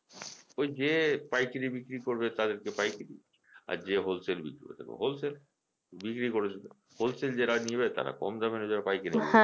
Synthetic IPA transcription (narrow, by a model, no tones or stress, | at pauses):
ojd͡ʑepajkiɾibikɾikoɾbet̪ad̪eɾkepajkɾi | a̰ɾd͡ʑeɦolselbḭkɾiko̰t̪ʰa̰k̚bḛɦolsel | bikɾikoɾet͡ɕʰe | holseld͡ʑeɾanieβet̪a̰ɾa̰kɔ̰md͡ʑabenod͡ʑaɾapajkiɾi